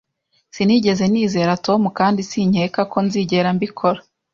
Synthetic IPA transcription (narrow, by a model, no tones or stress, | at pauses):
siniːɟe̞ze̞niːze̞ːɾato̞mukaːndisiɲekako̞nziːɟe̞ɾambikʰo̞ɾa